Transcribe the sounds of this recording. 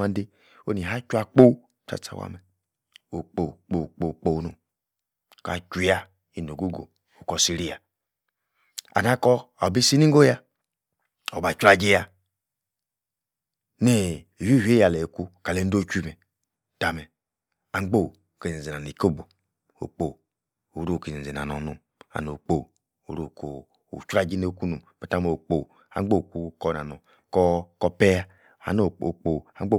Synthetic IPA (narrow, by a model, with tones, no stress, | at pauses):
a˨n˦de˦ | o˦ni˨ɦa˦t͡ʃu˦a˨k͡po˦w | ta̰˦t͡sa̰˨wa̰˦˨mɛ˨ | o˨k͡po˨k͡po˨k͡po˨k͡po˨wno˨ | ka̰˨t͡ʃu˨ja˦ | i˨no˨ɡu˦ɡo̰˨ | o˨kɔ˨si˨ɾi˦ja˨ | a̰˨na˦kɔ˦a˨bi˦si˦ni˦ŋ˦ɡo˦ja˦ | o˨ba˨t͡ʃu˦a˨d͡ʒe˦ja˨ | ne˦˨ | wi˦˨he˦ja˨le˨ku˦ka˨le˦n̩˦do˦˨t͡ʃʷi˦˨me˨ | ta˨mɛ˨ | a˨ŋ͡mɡ͡bo˦˨ke˨zi˨ze˨na˨ni˨ko˦˨bo˨ | o̰˨k͡po˨ | u˨˦ɾu˦˨ke˨zi˨ze˨na̰˨nɔ˨nu˨m | a̰˨no˨k͡po˦˨ | o˨ɾu˨ko˨ | ṵ˨t͡ʃu˦a˦d͡ʒi˦ne˦˨˦ku˦nu˨me˨ta˦me˨o˨k͡po˨ | a̰˨ŋ͡mɡ͡bo˦˨ku˨kɔ˦˨na˨nɔ˨ | kɔ˦kɔ˦pe˦ja˦ | a̰˨no˨o˨k͡po˨a˨˦o˦